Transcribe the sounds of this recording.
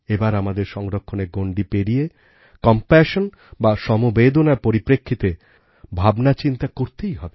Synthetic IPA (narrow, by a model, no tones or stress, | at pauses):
ebaɾamad̪eɾʃɔŋɾokʰːoneɡoɳɖipeɾije | kɔmpɛʃon | baʃɔmobed̪onaɾpoɾipɾekʰːit̪e | bʱabnat͡ɕint̪akoɾt̪ejɦɔbe